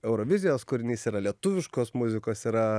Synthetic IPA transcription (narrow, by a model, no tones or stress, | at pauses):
ɛʊɾoːʋʲɪzʲɪjoːskʊɾʲɪnʲiːsiːɾɐlʲiɛt̪ʊʋʲɪʃkoːsmʊzʲɪkoːsiːɾɐ